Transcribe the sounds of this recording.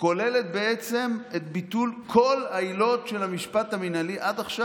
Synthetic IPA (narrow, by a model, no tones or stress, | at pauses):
ko̞le̞le̞tbeet͡se̞metbitulkʰo̞lailo̞tʃe̞lhamiʃpataminaliʔadaχʃa